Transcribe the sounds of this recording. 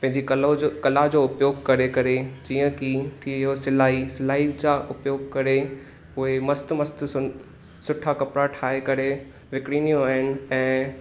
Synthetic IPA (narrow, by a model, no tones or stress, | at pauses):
pɐ̃ɦɪ̃ɲd͡ʑikɐokɐlad͡ʑoːʊpjoːɡ̚kɐɾekɐɾed͡ʑiːə̃kit̪ʰijosɪlaːisɪlaːid͡ʑaːʔʊpjoːɡ̚kɐɾe | ʊɦemɐst̪mɐst̪ʊ | sʊʈʰakɐpɽaʈʰaːekɐɾe | ʋɪkɽiːnijõaːɦɪnɪ̆ɛ̃ː